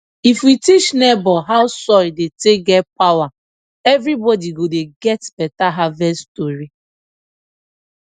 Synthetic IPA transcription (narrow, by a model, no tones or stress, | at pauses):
ifwitit͡ʃnɛbɔɦaʊsɔidetek̚ɡɛt̚pawa | ɛvɾibɔdiɡodeɡɛtb̥ɛtaɦavɛstoɾi